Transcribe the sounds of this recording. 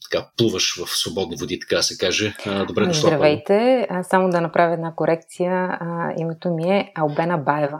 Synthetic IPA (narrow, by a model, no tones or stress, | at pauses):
t̪ɐ̥kaplˠuvəʃvɐfsvobɔd̪nivod̪it̪ɐ̥kad̪ɐsɛkaʒɛd̪obɾɛʃd̪ɾɐvɛjt̪ɛsamod̪ɐnɐpɾʔavʲiɛd̪nakoɾʔɛk̚t̪sijəḭmɛt̪omiɛɐlˠbɛnəbaɛvɐ